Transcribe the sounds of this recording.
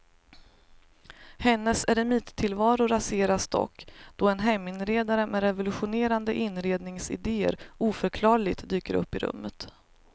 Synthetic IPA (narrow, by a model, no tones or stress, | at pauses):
hɛnːəsɛɾɛmiːt̪t̪ʰɪlvɑːɾʊɾaseːɾasd̪ɔ̰kːd̪̥ɔɛnɦɛmːɪnɾeːd̪aɾəmʔɛɾɛvʊlɵɧʊneːɾand̪əʔɪnːɾeːd̪nɪŋsɪ̰d̪eːə̰ɾuːfœɾkʰlɑːɾɭɪɡ̚t̪d̪yːkəɾɵ̰pːɪɾɵ̰mːət̪